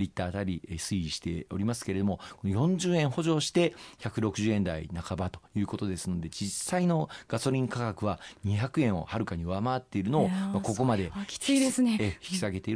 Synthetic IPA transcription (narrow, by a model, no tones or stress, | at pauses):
ɾʲit̪ːaːt̪aɾʲisɨiiɕi̥t̪e̞o̞̰ɾʲimas̬ɨ̥ke̞ɾe̞d̪o̞mo̞ko̞nojõ̞ɲ̟d͡ʑɨːẽ̞ɰ̃ho̞ʑo̞ːɕi̥t̪e̞çakɯ̟ɾo̞kɯ̟ʑɨːẽ̞nd̪a̰ḭnakabat̪o̞̥jɯ̟ːko̞t̪o̞d̪e̞sɨno̞d̪e̞d͡ʑisːaino̞ɡ̥aso̞ɾʲĩŋkakakɯ̟βaɲ̟içakɯ̟ẽ̞ɰ̃o̞̰haɾɯ̟kaɲ̟ioβamaβat̪ːe̞iɾɯ̟no̞ːmako̞ko̞mad̪e̞i̥id̪esneçi̥kʲi̥saɡe̞t̪e̞iɾ